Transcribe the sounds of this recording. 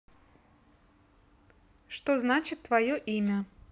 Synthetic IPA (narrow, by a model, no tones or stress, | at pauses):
ʂt̪oznat͡ɕɪt̪ːvɐjoʔimʲə